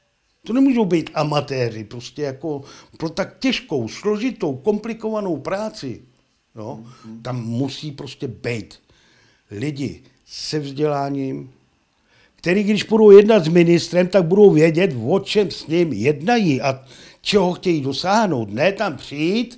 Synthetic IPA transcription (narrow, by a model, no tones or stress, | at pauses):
t̪o̞nɛmuːʒo̞wbijt̪amat̪ɛːrɪpɾoscɛjako̞pɾo̞t̪ak̚cɛʃko̞wslo̞ʒɪt̪o̞wko̞mplɪko̞vano̞wpɾaːt͡sɪ | jo̞t̪amːusiːpɾo̞scɛbɛjt̪ | lɪɟɪ̰ | sɛvzɟɛlaːɲiːm | kt̪ɛɾiːɡdɪʃbudo̞wjɛdnat̪zmɪnɪst̪ɾɛmt̪aɡ̚budo̞wvjɛɟɛt̪vo̞t͡ʃɛmsɲɪmjɛdnajiʔa | t͡ʃɛɦo̞xcɛjiːdo̞saːɦno̞wt̪nɛt̪ampr̥ɪjit̪